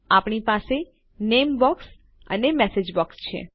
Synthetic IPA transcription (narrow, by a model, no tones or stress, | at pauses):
apɳipase | nembɔks | ə̰nemɛsed͡ʒbɔkst͡ʃʰḛ